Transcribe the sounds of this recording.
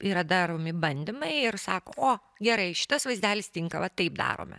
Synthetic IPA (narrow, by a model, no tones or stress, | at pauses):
iːɾɐd̪ɑɾoːmʲɪbɐnʲd̪ʲɪmɐɪɪrsɑːko̰ːoː | ɡʲɛɾɐɪʃʲɪ̥t̪ɐsʋɐɪzʲd̪ʲæːlʲɪst̪ʲɪŋkɐʋɐt̪ɐɪpd̪ɑ̰ːɾo̰ːmʲɛ̰